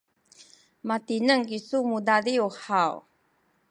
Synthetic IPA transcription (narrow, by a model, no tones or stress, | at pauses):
matinəŋɡisumudaɾiuħaw